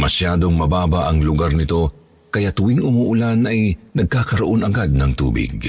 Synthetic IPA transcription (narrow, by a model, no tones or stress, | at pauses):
mɐʃjaːd̪o̞ŋmɐbaːbɐʔɐŋlʊɡaɾnɪt̪o̞ | kɐjat̪ʊwiŋʊmuʔʊlanʔɐjnɐɡ̚kaːkɐɾɐʔo̞nɐɡad̪̚nɐŋt̪ṵːbɪ̰ɡ̚